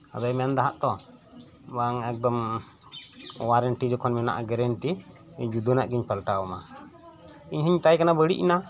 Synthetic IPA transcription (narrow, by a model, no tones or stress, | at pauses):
ad̪ɔjmɛnd̪aɦaʔt̪ɔ | baŋɛk̚d̪ɔm | waɾɛnʈid͡ʒɔkʰɔnmɛna̰ʔaɡɛɾɛnʈi | d͡ʒud̪ɔnaʔɡiɲpəlʈawɔma | iɲɦiɲt̪ajkanabəɽḭʔina